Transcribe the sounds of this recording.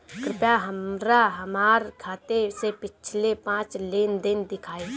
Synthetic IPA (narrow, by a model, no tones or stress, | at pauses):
kɾɪpjaɦəmɾaɦəmaːɾkʰaːt̪esepɪt͡ʃʰlepãːt͡ʃleːnd̪ɪnd̪ɪkʰaːe